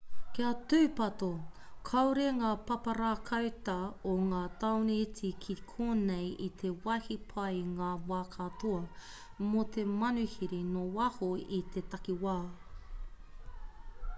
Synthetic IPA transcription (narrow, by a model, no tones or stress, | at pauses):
kiatʉːpɐtokʰɐwɾeŋaːpɐpɐɾaːkʰɐwtɐoŋaːt̪ɐwniit͡sikʰikʰoːnejit̪ʰe̞wɐhipʰɐjŋaːwaːkʰatoɐ | mot̪ʰe̞mɐnʉhiɾinowɐhoit̪ʰe̞t̪ɐkiwaː